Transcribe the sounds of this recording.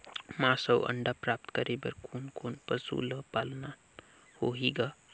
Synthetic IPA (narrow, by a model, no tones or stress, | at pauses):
mãsəwʔə̰ɳɖapɾap̚t̪kəɾebəɾkʰonkonpəsṵləpalna | hoɦiɡa